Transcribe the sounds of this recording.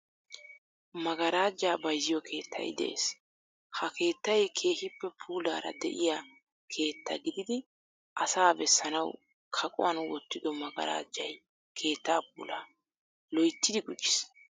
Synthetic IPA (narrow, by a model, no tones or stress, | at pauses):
mɐɡɐɾaːd͡ʒːaːbɐjzɪjɔkʰe̞ːt̪ʰːɐ̰jd̪ɛ̰ʔḛːs | hɐke̞ːt̪ːɐjkʰe̞ːhɪpːɛpʰuːlaːɾɐ̰d̪ɛ̰ʔɪja | kʰe̞ːt̪ːɐ̰ɡɪd̪ɪd̪ɪ | ʔɐsaːbɛsːɐnɐw | kʰɐkʼʊ̰wɐnwɔ̰t̪ːɪd̪ɔmɐɡɐ̰ɾa̰ːd͡ʒːɐj | kʰe̞ːt̪ːaːp̚uːlaː | lɔjt̪ːɪd̪ɪɡʊd͡ʒːɪs